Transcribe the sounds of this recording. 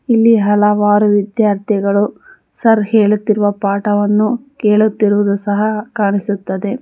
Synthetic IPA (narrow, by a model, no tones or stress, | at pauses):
ilːiɦɐlɐʋaːɾuʋid̪jaːɾt̪ʰiɡɐɭu | sɐɾheːɭut̪ːiɾuʋɐpaːʈɐʋɐnːukeːɭut̪ːiɾuʋud̪usɐɦɐkaːɳisut̪ːɐd̪e̞